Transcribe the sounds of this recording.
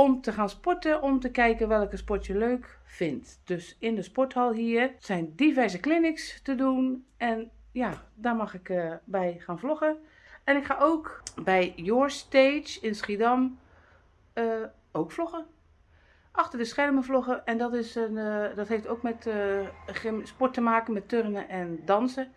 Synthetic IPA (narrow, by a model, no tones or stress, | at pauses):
ɔmtəxaːnspɔtəʔɔmtəkɛjkənʋɛlˠɪkəspɔtjəløːkfɪntd̥øsɪndəspɔtɔlˠɦiːərsɛjndivɛrzəklɪnɪkstədunɛn | jadaɹmɑxɪkbɛjxaːnflɔxə | ɛnɪkxaːʔoːkbɛjjoɹsteːt͡ʃɪnsχidɔm | ə | owkflɔxə | ʔɑxtərdəsxɛrməflɔɣəʔɛndɔtɪsədɔtɦeːftowkmɛt | spɔtəmaːkənmɛtørənəʔɛndɑnsə